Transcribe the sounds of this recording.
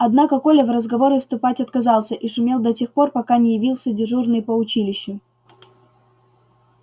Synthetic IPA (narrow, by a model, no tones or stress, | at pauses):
ɐd̪nakəko̞lʲəvrəzɡɐvo̞ɾɨst̪ʊpatʲɐt̪kɐzɑlˠsʲəʔiʂʊmʲe̞lˠd̪ɐtʲe̞xpo̞rpɐkanʲɪjɪvʲilˠsʲədʲɪʐurnɨjpəʊt͡ɕilʲɪɕːʊ